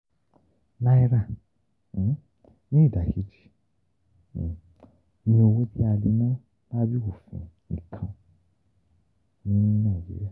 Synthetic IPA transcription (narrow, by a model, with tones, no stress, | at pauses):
la˦i˦ɾa˦˨˦ | nĩ˦i˦˨da˨ki˨˦d͡ʒi̥˦˨ | nĩ˧o˧wo˧tʰi˦a˧li˧nã˦ | ba˦bi˦ko˨fḭ̃˨ | ḭ˨kʰã˨˧ | nĩ˦nãː˦˨jḛ˦ja˦˨